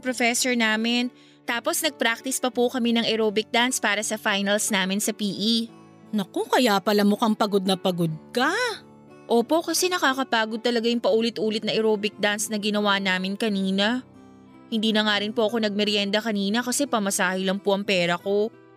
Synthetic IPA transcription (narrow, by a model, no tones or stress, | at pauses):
pɾofɛsoɹnaːmɪn | t̪aːpo̞snɐɡ̚pɾak̚t̪ɪspɐpokɐmɛnɐŋʔɛɾoːbɪk̚d̪anspaːɾɐsɐfajnɐlsnaːmɪnsɐpiːʔi | nɐkokɐjaːpɐlɐmokɐŋpɐɡo̞d̪̚nɐpɐɡod̪̚kɐ | ʔoːpo̞ʔkɐsɛnɐkakɐpaːɡod̪̚t̪ɐlɐɡajʊŋpɐʔuːlɪt̪ʔuːlɪt̪nɐʔɛɾoːbɪk̚d̪ansnɐɡɪnɐwanaːmɪnkɐniːnɐ | hɪnd̪iːnɐŋaːɾɪnpoʔɐko̞nɐɡ̚mɛɾjɛnd̪ɐkɐniːnɐkɐsɛpɐmɐsaːhɪlɐŋpoʔɐŋpɛːɾɐko̞